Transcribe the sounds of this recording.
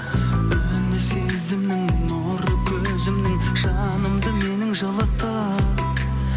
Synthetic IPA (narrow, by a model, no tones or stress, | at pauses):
ɵ | nɪsezɪmnɪŋno | ɾəkʲʰɵ | zɪmnɪŋ | ʃɑ | nəmd̪əme̞nɪŋʒɑlˠɑt̪ʰːɑ